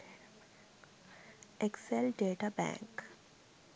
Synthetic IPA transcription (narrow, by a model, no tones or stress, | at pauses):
ekselɖeːʈabɛ̰̃ːŋk